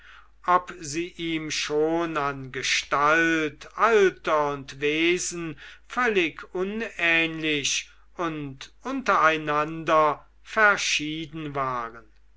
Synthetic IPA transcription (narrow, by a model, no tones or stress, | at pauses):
ʔɔpziːʔiːmʃoːnanɡəʃtaltaltɐʊntveːzn̩fœlɪkʊnɛːnlɪʃ | ʊntʔʊntɐaɪnandɐ | fɛɐʃiːdn̩vaːʁən